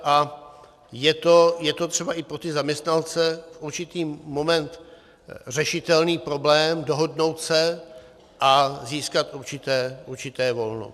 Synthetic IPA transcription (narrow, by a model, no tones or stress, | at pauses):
ʔa | jɛt̪o̞jɛt̪o̞t̪r̥ɛbaʔɪpɾot̪ɪzamɲɛst̪nant͡sɛfʔuɾt͡ʃɪt̪iːmo̞mɛnt̪ | r̝ɛʃɪt̪ɛlniːpɾo̞blɛːmdo̞ɦo̞dno̞wt̪sɛ | ʔaziːskat̪ʔuɾt͡ʃɪt̪ɛːʔuɾt͡ʃɪt̪ɛːvo̞lno̰